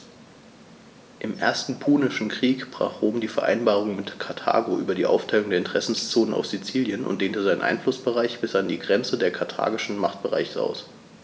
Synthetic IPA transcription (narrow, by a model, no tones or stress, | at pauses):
ʔɪmʔeːɐstn̩pʰuːnɪʃn̩kʁ̥iːkb̥ʁ̥a̰ːχʁ̥oːmdiːfɛɐʔa̰ɪnbaːʁ̞ʊŋmɪtkʰaɐtʰa̰ːɡoʔyːbɐdiːʔa̰ʊftʰaɪlʊŋdeːɐɪntə̥ʁ̥ɛsn̩st͡soːnəna̰ʊfz̥it͡siːljənʔʊ̰ntd̥eːntəzaɪnənʔa̰ɪnflʊsb̥əʁaɪçb̥ɪsʔandiːɡʁɛnt͡sədeːɐkʰatʰa̰ːɡɪʃn̩maχt̚b̥əʁa̰ɪçəʔa̰ʊs